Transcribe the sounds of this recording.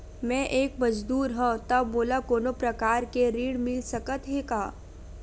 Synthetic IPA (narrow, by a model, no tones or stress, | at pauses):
mɛ̃ːʔeːkmɐd͡ʒd̪uːɾɦɛ̃t̪ɐbːoːlakoːnõpɾɐkaːɾkeɾiːɽmɪlsɐkət̪ɦekaː